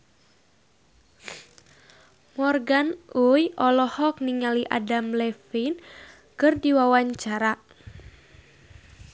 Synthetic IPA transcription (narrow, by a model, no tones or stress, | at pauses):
mɔrɡanujʔɔlɔhɔk̚niŋaliʔa̰damlɛfin | kɨrdiwawaɲt͡ʃaɾa